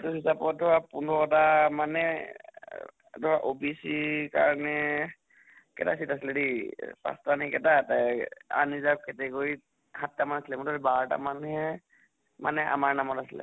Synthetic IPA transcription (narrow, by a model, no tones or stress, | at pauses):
tusisapɔdʱɔɹapundɔɔtamanɛ | dʱɔɹaʔobisika̰ɹɔnɛ | kɛta̰sitasilɛdipa̰stanikɛtataa̰nizap̚kɛtɛkoi | hatːamanasilɛmʊtaɾbata̰manhɛ | ma̰nɛʔa̰maɹnamɔtasilɛ̰